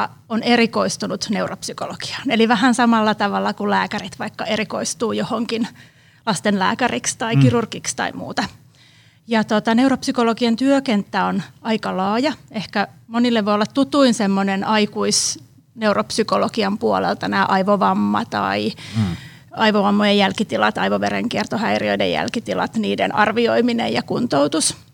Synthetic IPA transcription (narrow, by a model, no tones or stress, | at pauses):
ɑ | onerikoist̪unut̪neuropsykoloki̥ɑ̥ːneliʋæhænsɑmɑlːɑt̪ɑʋɑlːɑkullæːkærit̪ʋɑikːɑeɾiko̰ist̪uːjohoŋkin | lɑst̪enlæ̰ːkærikst̪ɑikirurkikst̪ɑ̰imṵːt̪ɑ | jɑt̪ot̪ɑneuropsykolokiɑnt̪yøkent̪ːæonɑikɑlɑːjɑehkæmonilːeʋojolːɑt̪tut̪uinsemːonenʔɑikuis | neuropsykoloɡiɑmpuolḛlt̪ɑnæːʔɑiʋoʋɑmːɑ̰t̪ɑ̰i | ɑiʋoʋɑmːojejjælkit̪ilɑt̪ɑiʋoʋerḛŋkiert̪ohæirio̰idḛjjæ̰lkit̪ilɑ̰t̪niːdḛnʔɑ̰rʋioiminḛjɑkunt̪owt̪us